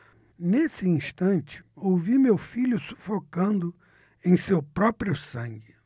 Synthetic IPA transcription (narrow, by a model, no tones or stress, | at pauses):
nesɪĩʃt̪ɐ̃nt͡ʃɪ̥owvimewfiʎʊsu̥fokɐ̃nd̪ʊ | ẽj̃sewpɾɔpɾiʊsɐ̃ŋɡɪ